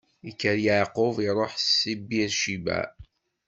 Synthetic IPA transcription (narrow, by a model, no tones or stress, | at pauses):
ikːəɾjəʕqʊviɾˤoħsːibiɾʃibæ̰